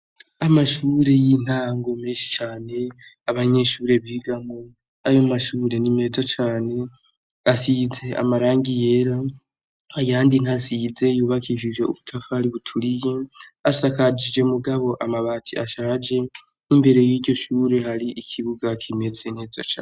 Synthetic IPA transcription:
amaʃuːɾe̞jin̥aːŋɡo̞meːnʃi̥t͡ʃaːne̞ | aβaɲe̞ʃuːɾe̞βiːɡamo | aimaʃuːɾe̞nime̞ːzat͡ʃaːne̞ | asize̞ʔa̰maɾaːŋɡije̞ɾa | ajaːndin̥asize̞juːβakʰiʃiʒe̞ṵβutʰafahaɾiβutʰuɾije̞asakad͡ʒid͡ʒe̞muɡaβo̞ʔamaβaːtʰiaʃaːd͡ʒe̞ | imbe̞ɾe̞jiːɾɟo̞ʃuːɾe̞haɾiʔikʰiβuɡakʰime̞ze̞n̥e̞ːza̰t͡ʃa̰ːn

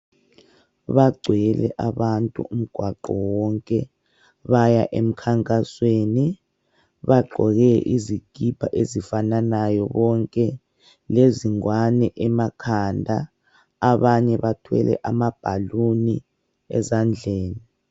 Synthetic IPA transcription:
βaɡ͡ǀʱwɛlɛ̰ʔaβantʼṵum̩ɡ̥ʱwaǃɔwɔŋkʼɛ | βajaʔḛm̩kʰaŋkʼasweːni | βaɡ͡ǃʱɔɣɛʔiziɡ̥ʱib̥ʱaʔezifananajɔ̰βɔŋkʼɛ | leziŋwanɛʔɛmakʰandʱaː | βaɲɛβatʰwɛ̰lɛ̰ʔamab̥ʱaluni | ɛ̰zand͡ɮʱeːni

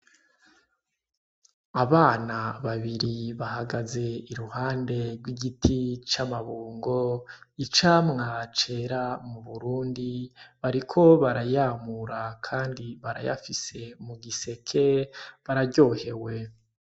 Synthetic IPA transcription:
aβaːnaβaβiɾiβahaɡaze̞iɾuhaːnde̞ɾɡwiɡitʰit͡ʃamaβuːŋɡo̞it͡ʃaːmŋat͡ʃe̞ɾamuβuɾuːndiβaɾikʰo̞βaɾajaːmuɾakʰaːndiβaɾa̰ja̰fise̞muɡise̞kʰe̞βaɾaɟo̞ːhe̞we̞

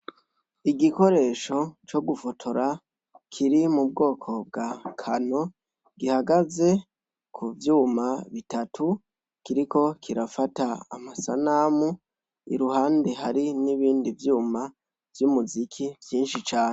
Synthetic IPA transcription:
iɡiko̞ɾe̞ːʃo̞t͡ʃo̞ɡufotʰoɾa | kʰiɾimub̚ɡo̞ːkʰo̞b̚ɡakʰano̞ | ɡ̥ihaɡaze̞ | kʰuvjuːmaβitatʰu | kiɾiko̞kʰiɾafataamasa̰naːmu | ḭɾuhaːnde̞haɾiniβiːndivjuːma | vjumuzikʰivjiːnʃit͡ʃaːne

